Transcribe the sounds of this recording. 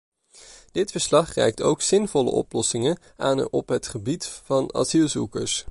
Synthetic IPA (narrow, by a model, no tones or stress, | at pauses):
d̥ɪtfəɹslɑχrɛ̰jk̚to̰wksɪnvɔlə̰ʔɔ̰plɔsɪŋən | aːnɔpɦətχəbitvɑnɑ̰zilˠzukəɹs